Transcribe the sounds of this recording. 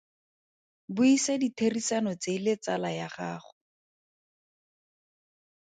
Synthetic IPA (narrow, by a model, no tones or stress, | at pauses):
bʊisaditʰerisanɔt͡selɪt͡salajaχa̰ːχʊ̥